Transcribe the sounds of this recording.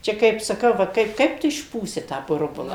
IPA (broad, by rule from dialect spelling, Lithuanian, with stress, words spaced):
ˈt͡ʃʲɛ kɐɪp sɐˈkɐʊ ˈʋɐ ˈkɐɪp ˈkɐɪp tʊ ɪʃˈpuːsʲɪ tɑː ˈbʊrbʊlˠɐ